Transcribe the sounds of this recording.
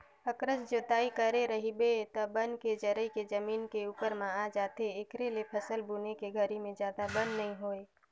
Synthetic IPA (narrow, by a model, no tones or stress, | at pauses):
əkɾəsd͡ʒoːt̪aːikəɾeɾəɦibet̪ɐbənked͡ʒəɾəiked͡ʒəmiːnkeuːpəɾmãaːd͡ʒaːt̪eːkɾelepʰəsəlbuːnekeɡʱəɾimẽzjaːd̪abə̃nd̪nɐɦĩɦoːeː